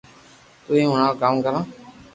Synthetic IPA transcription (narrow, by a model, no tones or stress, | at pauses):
t̪uːĩːɦʊɳãːkaːmkəɾãː